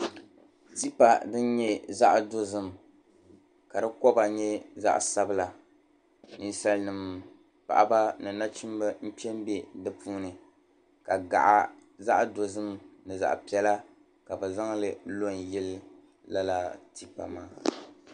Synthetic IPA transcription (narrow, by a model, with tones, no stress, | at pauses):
ti˦pa˨dɨ˦n˦ɲɛ˦za˦ʔdo˦zɨ˦m˨ | ka˨dɨ˦kɔ˦ba˨ɲɛ˦za̰˦ʔsa˦bɨ˦la˨ | ni˨nsa˦lnɨ˨m | pa̰˨ʔa˨ba˦nɨ˨na˦t͡ʃi˦m˦bɨ˦m̩˦pi˦ɛ˦m˦be˦dɨ˨puː˦nɨ˨ | ka˨ɡa̰˨ʔa̰˨za˦ʔdo˨zɨ˦mnɨ˨za̰˨ʔpi˨ɛ˦la˦ | ka˨bɨ˨za˦ŋlɨ˨lo˦n˨jɛ˦l | la˦la˦ti˦pa̰˨maː˦